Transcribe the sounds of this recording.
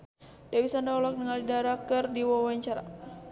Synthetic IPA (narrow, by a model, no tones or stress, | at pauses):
dawisandaɔlɔk̚dəŋalidaɾakɨrdiwɔwaɲt͡ʃaɾa̰